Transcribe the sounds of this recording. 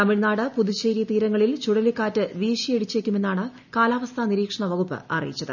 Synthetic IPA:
t̪ɐmiɻnaːɽɨpuðit͡ɕejɾjɐt̪iːɾɐŋːɐɭilt͡ɕuɽɐlikːaːtːɨʋiːʂijeɽit͡ɕːeːkʲːume̞nːaːɳɨ | kaːlaːʋɐst̪ʰaniɾiːkʂɐɳɐʋɐɣupːɨ̰ʔɐ̰rḭjit͡ɕːɐðɨ̰

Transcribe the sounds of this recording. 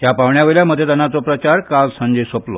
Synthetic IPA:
t̪japaʋɳjaʋeljaməd̪ʱjet̪ənat͡sopɾət͡ɕaɾkad͡zsə̃ɲd͡ʑesoplɔ̰

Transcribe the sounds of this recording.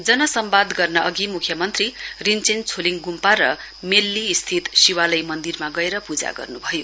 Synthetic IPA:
d͡zʌnʌsʌmbad̪ɡʌrnʌʌɡimukʰjʌmʌnt̪rirint͡sent͡sʰoliŋɡumpaɾʌ | melːiːst̪ʰit̪siwalʌjmʌnd̪irmaɡʌeɾʌpud͡za̰ɡʌ̰rnubʱʌjo

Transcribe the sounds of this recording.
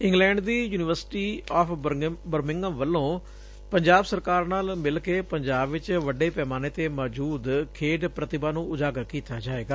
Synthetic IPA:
ɪ̃ŋɡlɛ̃ːɳɖd̪iːjuːnɪʋəɾsʈiːɔːpʰbəɾmɪŋɡəmʋəlːõː | pəɲd͡ʒaːbsəɾkaːɾnaːlmɪlkeːpəɲd͡ʒaːbʋɪt͡ʃʋəɖeːpɛːmaːneːt̪eːmɔːd͡ʒuːd̪kʰeːɖpɾət̪ɪbaːnũːʊd͡ʒaːɡəɾkiːt̪aːd͡ʒaːʋeːɡaː

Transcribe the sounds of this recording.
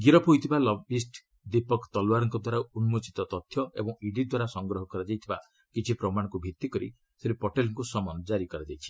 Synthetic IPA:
ɡiɾɔpoit̪ʰibalɔbisʈ | d̪ipɔkt̪ɔlwaɾɔŋkɔd̪waɾaunmot͡ʃit̪ɔt̪ɔt̪ʰːjɔḛbɔŋiɖid̪waɾasɔŋɡɾɔɦɔkɔɾad͡ʒajt̪ʰiba | kit͡ʃʰipɾɔmaɽ̃ɔkubʱit̪ːikɔɾḭ | seɾipɔʈelɔŋkusɔmɔnd͡ʒaɾikɔɾad͡ʒajt͡ʃʰi̥

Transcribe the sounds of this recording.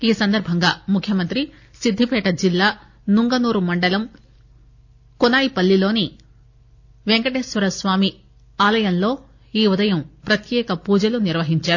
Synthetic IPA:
iːsɐnd̪ɐɾbʱɐŋɡaːmukʰjɐmɐnt̪ɾi | sid̪ʱːipɛːʈɐd͡ʒilːaː | nuŋɡɐnuːɾumɐɳɖɐlɐm | kɔnaːjipɐlːilo̞ːni | ʋeŋkɐʈeːsʋɐɾɐsʋaːmi | aːlɐjɐnlo̞ː | iːud̪ɐjɐmpɾɐt̪jɛːkɐpuːd͡ʒɐluniɾʋɐɦiɲt͡ʃaːɾu

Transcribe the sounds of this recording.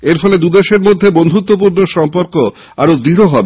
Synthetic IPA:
eɾfʰɔled̪ud̪eʃeɾmod̪ʱːebond̪ʱut̪ːop̬uɾnoʃɔmpoɾko | a̰ɾod̪iɾoɦɔbe

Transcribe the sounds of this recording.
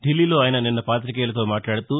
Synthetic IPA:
ɖilːiːlo̞ːaːjɐnɐninːɐpaːt̪̬ɾikɛːlɐt̪o̞ːmaːʈlaːɽɐt̪u

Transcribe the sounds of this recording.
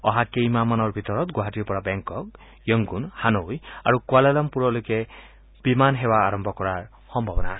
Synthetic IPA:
ɔɦakejmamanɔɾbʱit̪ɔɾɔt̪ɡwaɦatʈiɾpɔɽabeŋkɔk̚ | jɔŋɡunhanoja̰ɾukwalelɔmpuɾɔlojke | b̥imanɦebaːɾɔmbʱɔkɔɾaɹ | xɔmbʱɔbɔna

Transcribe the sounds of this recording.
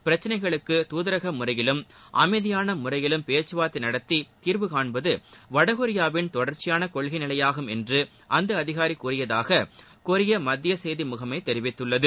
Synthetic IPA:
pɪɾɐt͡ʃːɐnɐɪɣɐɭɯkːɯt̪uːðɐɾɐɣɐmʊɾɐjɪlɯmʔɐ̰mɐɪðɪjaːnɐmʊrɐjɪlɯmpeːt͡ʃːɯʋaːt̪ːɪnɐɽɐt̪ːit̪iːɾʋɯkaːɳbɐðɯʋɐɽɐɣɔɾɪjaːʋɪnt̪ɔɽɐɾt͡ʃːɪjaːnɐkɔɭɣɐɪnɪlɐjaːɣɯmɛndrɯ | ʔɐnd̪ɐɐðɪɣaːɾikuːrɪjɐðaːɣɐ | kɔɾɪjɐmɐd̪ːɪjɐsejðimʊɣɐmɐɪt̪ɛɾɪʋɪt̪ːɯɭːɐðɯ

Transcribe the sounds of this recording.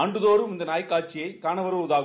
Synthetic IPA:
ɐɳɖɯðoːɾɯmɪnd̪ɐnaːjkːaːʈt͡ʃːɪjɐɪkaːɳɐʋɐɾɯʊðaːɣ

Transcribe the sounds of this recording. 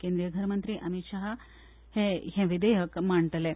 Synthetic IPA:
keːnd̪ɾijɐɡʱɐɾɐmɐnt̪ɾiʔɐmit̪ʃaːɦɐ | heɦẽʋid̪eɦɐkmaːɳʈɐle

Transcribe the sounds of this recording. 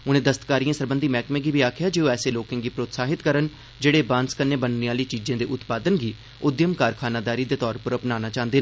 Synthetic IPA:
ʊnẽːd̪əst̪kaːɾijãːsəɾbənd̪iːmɛːkmẽːɡiːbiːaːkʰɪjaːd͡ʒeːoːɛːseːloːkẽːɡiːpɾoːt̪saːɦɪt̪kəɾən | d͡ʒeːɽeːbãːnskənẽːbənneːaːliːt͡ʃiːd͡ʒãːd̪eːʔʊt̪paːd̪ənɡiː | ʊd̪jəmkaːɾkʰaːnaːd̪aːɾiːd̪eːt̪ɔːɾpəɾəpnaːnaːt͡ʃãːnd̪eːnaː

